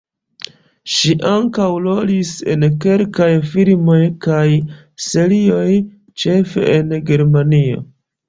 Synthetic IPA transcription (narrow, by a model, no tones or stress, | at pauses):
ʃiʔaŋkawlo̞lise̞̰nke̞lkajfilmo̞jkaj | se̞ɾio̞j | t͡ʃe̞fe̞̰ʔenɡe̞ɾmanio̞̰